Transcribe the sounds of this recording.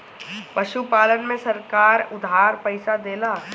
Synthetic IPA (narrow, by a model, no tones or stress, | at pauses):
pɐʃupaːlənmẽsɐɾkaːɾʊd̪ʱɦaːɾpɛɪsad̪eːlaː